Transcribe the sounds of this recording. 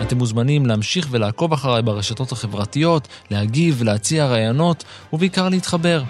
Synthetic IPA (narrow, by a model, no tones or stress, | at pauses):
ate̞muzmanimleamʃiχve̞laːko̞vaχaʁajbaʁe̞ʃato̞thaχe̞vʁatijo̞tlehaɡivleat͡siaʁaːjono̞t | uveikaʁleitχabe̞ʁ